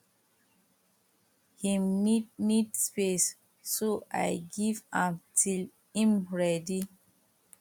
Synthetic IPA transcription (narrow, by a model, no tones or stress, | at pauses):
hĩmnidnidspesː | oʔa̰jɡivãmtʰil | ĩmɹɛdi